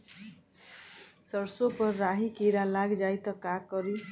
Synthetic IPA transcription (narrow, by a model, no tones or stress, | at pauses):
sʌrsopʌrːaɦikiɾalaɡd͡zajt̪ʌkakʌɾi